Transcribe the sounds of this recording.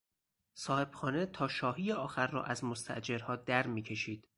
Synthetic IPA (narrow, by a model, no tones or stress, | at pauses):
sɒːhe̞b̥xɒːnet̪ʰɒːʃɒːɦiːjeɒːxæɾːɒ̰ːʔæzmost̪ʰæ̰ʔd͡ʒe̞ɾhɒːd̪æɾmiːcʰe̞ʃiːd̪̥